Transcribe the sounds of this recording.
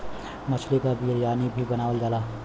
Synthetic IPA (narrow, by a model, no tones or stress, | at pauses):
mət͡ʃʰlekabiɾjaːnibʱibənaːwəld͡ʒala